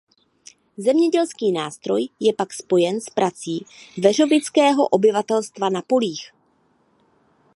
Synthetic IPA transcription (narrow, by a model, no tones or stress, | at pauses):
zɛmɲɛɟɛlskiːnaːst̪ɾo̞jjɛpakspo̞jɛnspɾʔat͡siːvɛr̝o̞vɪt͡skɛːɦo̞̰ʔo̞bɪvat̪ɛlst̪vanapo̞liːx